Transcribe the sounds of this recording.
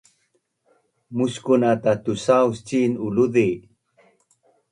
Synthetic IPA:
muskunatat̪usawst͡ɕinuludi

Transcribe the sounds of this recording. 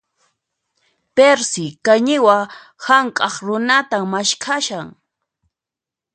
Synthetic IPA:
peɾsɪkaɲɪwa | haŋkʼɑχɾʊnat̪ammaʃkʰaʃaŋ

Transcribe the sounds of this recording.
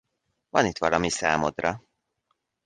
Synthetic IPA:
vɒnit̪ʋɒlɒmisaːmod̪rɒ

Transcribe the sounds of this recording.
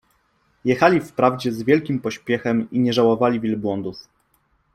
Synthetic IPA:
jɛxalʲifpɾavd͡ʑɛzvʲjɛlkʲimpɔɕpʲjɛxɛmiɲɛʐawɔvalʲivʲilbwɔnd̪uf

